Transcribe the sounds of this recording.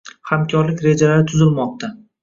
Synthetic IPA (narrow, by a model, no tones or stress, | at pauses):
hamkʲʰɒɾlɪkʲɾe̞d͡ʒalaɾɪt̪ʰʊzɪlmɒq̚t̪ʰa